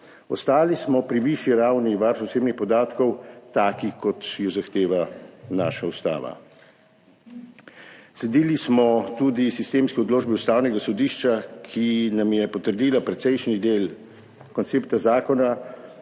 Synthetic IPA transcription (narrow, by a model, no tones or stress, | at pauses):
ɔst̪aːlismɔpɾiʋiʃiɾawniʋaɾsɔseːbnixpɔd̪aːt̪kɔwt̪aːkikɔt̪jɔzaxt̪eːʋana̰ːʃaust̪a̰ːʋa̰ | slɛd̪iːlismɔt̪uːd̪isist̪eːmskɛɔd̪loːd͡ʒbiust̪aːwnɛɡasɔd̪iːʃt͡ʃakʰinamjɛpɔt̪əɾd̪iːlapɾɛt̪sɛjʃnid̪eːl | kɔnt̪seːpt̪azaːkɔna